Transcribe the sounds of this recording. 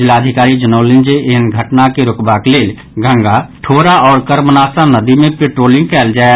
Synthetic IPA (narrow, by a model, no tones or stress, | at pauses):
d͡ʒɪlaːd̪ʱɪkaːɾid͡ʒənoːlɪ̃nd͡ʒeʔɪɦənɡʱəʈnakeɾʊkbakleːl | ɡʱə̃ŋɡaʈʰoːɾaɔːɾkəɾmənaːsanəd̪imẽpeːʈɾoːlɪ̃ŋɡ̚kɛːld͡ʒaː